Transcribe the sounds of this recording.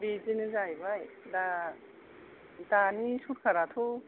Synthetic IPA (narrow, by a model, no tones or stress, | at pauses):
bizinɯzajbaj | da | danisuɾkʰaɾat̪ʰu